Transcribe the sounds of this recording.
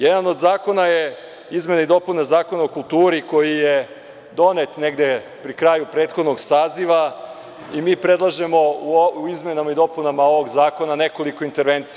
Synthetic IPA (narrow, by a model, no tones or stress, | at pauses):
jed̪ano̞d̪zaːko̞naje | izme̞naid̪o̞punazaːko̞naokulˠt̪uːɾiko̞jije | d̪o̞net̪ne̞ɡd̪e | pɾikɾaːjupɾe̞ːt̪xo̞d̪no̞ɡsaːziʋa | imiːpɾe̞d̪lˠaʒe̞mo̞izme̞namaid̪o̞punamao̞ʋoɡzaːko̞nane̞ko̞likoint̪e̞ɾʋe̞nt̪sij